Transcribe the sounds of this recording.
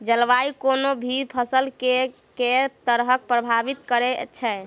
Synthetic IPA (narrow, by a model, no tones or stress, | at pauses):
d͡ʒəlʋaikonobʱiɾpʰəsəlke | ket̪əɾɦək̚pɾəbʱabit̪kəɾet͡ʃʰɛ